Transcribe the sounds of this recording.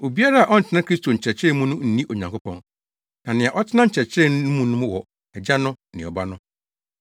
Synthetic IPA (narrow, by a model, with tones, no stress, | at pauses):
o˨bi˦a˦ɾa˦a˨ʔɔ˦n̩˨tʰɪ˦nã˦kʰɾi˦stʰo˨ɲ̩˨t͡ɕʰɛ˨t͡ɕʰɛ˦mũ˦nʊ̃˦n̩˦nĩ˦ʔo˨ɲã˨ŋko˦pʰɔ̃˨˦n | nã˨nɪ̃˨ã˨ʔɔ˦tʰɪ˦nã˦ɲ̩˨t͡ɕʰɛ˨t͡ɕʰɾɛ˦n˦ũ˦mũ˦nʊ̃˦mʊ̃˦wɔ˨ | ɛ˨d͡ʑa˦nʊ̃˦nɪ̃˨ɔ˨ba˦nʊ̃˦